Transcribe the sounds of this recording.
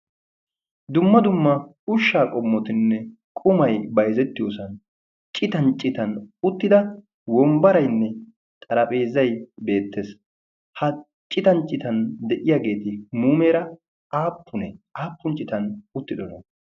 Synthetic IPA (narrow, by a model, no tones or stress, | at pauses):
d̪ʊmːɐd̪ʊmːɐ | ʊʃːaːkʼɔmːɔt̪ɪnːɛ | kʼʊmɐjbɐjzɛt̪ːɪjoːsɐn | t͡ʃʼɪt̪ɐnt͡ʃʼɪt̪ɐnʊt̪ːɪd̪ɐ | wɔmbɐɾɐjnːɛ | t̪ʼɐɾɐpʼe̞ːzɐjbe̞ːt̪ːes | hɐ | t͡ʃʼːɪt̪ɐnt͡ʃʼɪt̪ɐnd̪ɛʔɪjaːɡe̞ːt̪ɪmuːme̞ːɾɐ | aːpːʊnɛaːpːʊnt͡ʃʼɪt̪ɐnʊt̪ːɪd̪ɔnɐ